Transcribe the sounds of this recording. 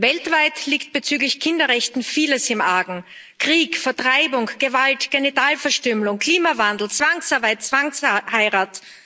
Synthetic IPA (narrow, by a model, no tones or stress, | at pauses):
vɛltv̥aɪtliːkt̚b̥ət͡syːɡlɪçkʰɪndɐʁɛçtn̩fiːləsɪmʔaːɡŋ̩ | kʁ̥iːkfɛɐtʁ̥aɪbʊŋɡ̥əvaltɡ̥enɪtaːlfɛɐʃtʏməlʊŋkʰliːmavandl̩t͡sv̥aŋsaɐbaɪt̚t͡sv̥aŋshaɪʁaːt